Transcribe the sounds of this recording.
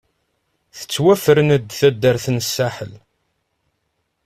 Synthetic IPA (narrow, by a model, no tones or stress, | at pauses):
θə̥t͡sːwæfəɾənəd̪θæd̪ːəɾθənəsːaħəl